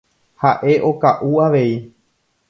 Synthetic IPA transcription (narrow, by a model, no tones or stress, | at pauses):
haʔe̞ʔo̞kaʔuaʋe̞i